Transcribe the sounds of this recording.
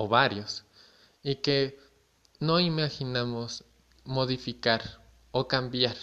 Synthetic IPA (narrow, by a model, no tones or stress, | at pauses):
oβaɾjos | ike | noimaxinamos | moðifikaɾ | okambjaɾ